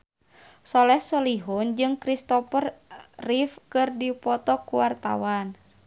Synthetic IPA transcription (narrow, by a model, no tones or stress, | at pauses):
sɔlɛhsɔliɦund͡ʒɨŋkɾist̪ɔpərːifkɨrdipɔt̪ɔkuwart̪a̰wan